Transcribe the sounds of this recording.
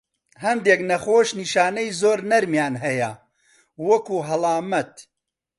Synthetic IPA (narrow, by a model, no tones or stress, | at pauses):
hɐmd̪eːknɐxoːʃniːʃaːnɐjzoːɾnɐɾmjaːnɦɐjɐ | wɐkuːɦɐlˠɑːmɐt̪